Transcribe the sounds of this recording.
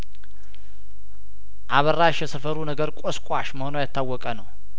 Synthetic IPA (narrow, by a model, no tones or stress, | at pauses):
ʔaβərːaʃjɛsəfəɾunəɡəɾkʼoskʷʼaʃməhonəwjat̪ːawːɔkʼənəw